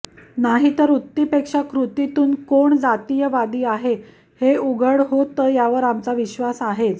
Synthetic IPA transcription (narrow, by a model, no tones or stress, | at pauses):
naɦit̪əɾut̪ːipekʂakɾut̪it̪uːnkoɳd͡zat̪ijəʋad̪iːaɦe | heuɡəɽɦot̪əːjaʋəɾamt͡saʋiɕʋasaɦet̪